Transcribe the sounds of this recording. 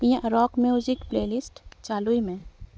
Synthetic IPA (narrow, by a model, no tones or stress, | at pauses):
ĩjãɾɔːkmjud͡ʒɪkpleːlɪsʈt͡ʃaːluimẽ